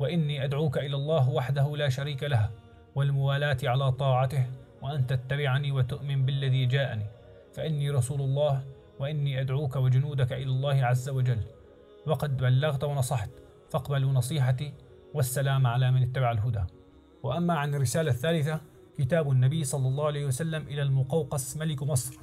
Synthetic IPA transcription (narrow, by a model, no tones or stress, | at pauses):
waʔɪnːiːʔad̪ʕuːkaʔɪlaːlˤːɑːɦwaħd̪ahʊlaːʃaɾiːkalaha | walmʊwaːlaːt̪ʕalaːt̪ˤɑːʕat̪ɪhwaʔant̪at̪ːabɪʕniːwat̪ʊʔmɪnbɪlːaðiːd͡ʒaːʔaniː | faʔɪnːiːɾˤɑsuːlɑlˤːɑːh | waʔɪnːiːʔad̪ʕuːkawɪd͡ʒʊnuːd̪akaʔɪlaːlˤːɑːhɪʕazːawad͡ʒalː | wɑqɑd̪balːɑɣt̪wɑnɑsˤɑħt̪ | fɑqbalunɑsˤiːħat̪i | wasːalaːmʕalaːmanɪt̪ːabaʕalɦʊd̪a̰ː | wɪʔamːaʕanɪrːɪsaːlaθːaːlɪθa | kɪt̪aːbanːabɪjːsˤɑlːɑlˤːɑːalejhwasalːamʔɪlalmʊqɑwqɑsmalɪkmɑsˤɾ